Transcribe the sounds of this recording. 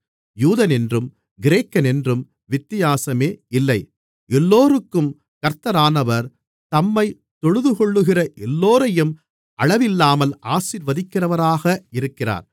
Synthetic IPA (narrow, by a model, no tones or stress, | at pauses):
juːðɐnɛndrɯm | ɡɪɾeːkːɐnɛndrɯm | ʋɪt̪ːɪjaːsɐmeːɪlːɐɪ | ɛlːoːrɯkːɯm | kɐɾt̪ːɐɾaːnɐʋɐɾ | t̪ɐmːɐɪ | t̪ːɔɻɯðɯkɔɭːɯɣɪrɐʔɛlːoːɾɐjɯm | ʔɐɻɐʋɪlːaːmɐlaːsiɾʋɐðɪkːɪrɐʋɐɾaːɣɐɪɾɯkːɪra̰ːɾ